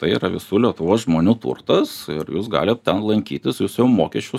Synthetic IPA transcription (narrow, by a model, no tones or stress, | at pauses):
t̪ɐɪiɾɐʋʲɪsuːlʲiɛt̪ʊʋoːsʒmoːnʲuːt̪ṵrt̪ɐsɪɾjuːsɡɑ̰ːlʲɪt̪̚t̪ʲɛnlˠɐŋʲkʲiːt̪ʲɪsjuːsjɛʊmoːkʲɛʃʲt͡ʃʲʊ